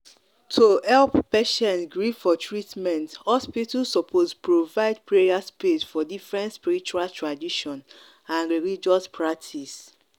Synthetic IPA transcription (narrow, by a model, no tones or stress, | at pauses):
tʰuɛlppɛʃɛ̃ntɡɹiffɔtʰɹitmɛ̃nthɔspitusɔpʰospɹovaɪd̚pɹeɹiaspesfɔdifɹɛ̃ntspiɾit͡ʃualtɹadiʃɔ̃n | ãnɹilid͡ʒɔspʰɹak̚tʰis